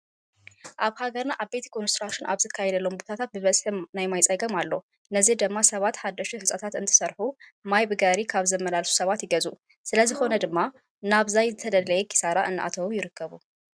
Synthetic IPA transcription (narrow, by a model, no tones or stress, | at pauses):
ʔaβhaɡɐɾnaʔaβbe̞t̪ʰikʰonst̪ɾaʃɪnʔa̰βzɨkʰːajɛd̪ɐlːo̞mbo̞t̪ʰat̪ʰat̪̚bɨβɐt͡sʼħɨnajmajt͡sʼɐɡɐmalːo̞ | nɐzid̪ɨmːasɐβat̪ħad̪ːɐʃuħɨt͡sʼɐt̪ʰat̪ɨnt̪ʰɨ̥sɐɾħumajbɨɡaɾikʰaβzɐmɐlalsu̥sɐβat̪jɪɡɐzu | sɨlɐzɨxo̞nɐd̪ɨmːa | naβzajzɨt̪ʰɐd̪ɐlːɐjɛkʰʼi̥saɾaʔɨnːɨʔa̰t̪ʰɐwujɪɾɨkʰːɐβu